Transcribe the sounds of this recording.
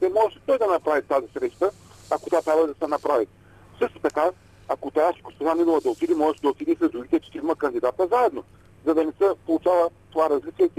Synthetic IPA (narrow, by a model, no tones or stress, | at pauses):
t̪ɛmɔʒɛʃit̪ɔjd̪ɐnɐpɾavit̪azisɾɛʃt̪ə | ako̥t̪ʲat̪ɾʲabvəd̪ɐsɛnɐpɾavi | fsɤʃt̪o̥t̪ɐka | akot̪ɛaʃkost̪ɛzanid̪uvˠəd̪ɐot̪id̪imɔʒɛʃid̪ɐot̪id̪isəzd̪ɾuɾit̪ɛt͡ʃɛ̥t̪ɛiməkɐnd̪id̪at̪əzaɛd̪no | zɐd̪ɐnɛsɛpolˠut͡ʃavˠət̪ovaɾɐzlit͡ʃɛɛt̪